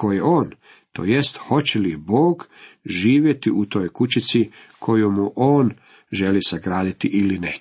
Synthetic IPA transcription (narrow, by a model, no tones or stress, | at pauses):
kojeo̞ːn | t̪o̰je̞st̪xo̞t͡ɕelibo̞ːɡʒiːʋje̞t̪iut̪o̞ːjkut͡ɕit̪si | kʰo̞jumuʔoːn | ʒe̞lisaɡɾaːd̪it̪iʔiline